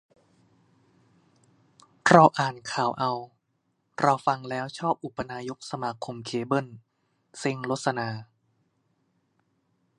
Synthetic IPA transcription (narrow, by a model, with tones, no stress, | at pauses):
ɾa˧wʔaː˨˩nkʰaː˩˦wʔa˧w | ɾa˧wfa˧ŋlɛː˦˥wt͡ɕʰɔː˥˩p̚ʔu˨˩pːa˧naː˧jo˦˥k̚sa˧maː˧kʰo˧mkʰeː˧bɤ˥˩n | se˧ŋlo˦˥sa˧naː˧